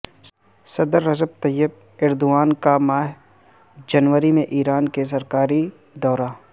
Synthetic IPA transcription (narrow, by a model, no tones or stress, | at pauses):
sɐd̪əɾːɐzəb̚t̪ɐjːəb̚ | ɪɾd̪ʊaːnkamaːɦ | d͡ʒɐnʋəɾimẽʔiːɾaːnkes̬ɐɾkaːɾi | d̪ɔːɾaː